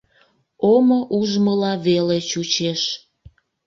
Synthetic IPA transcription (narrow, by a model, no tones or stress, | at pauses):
omoʔuʒməlɑβelet͡ɕut͡ɕeʃ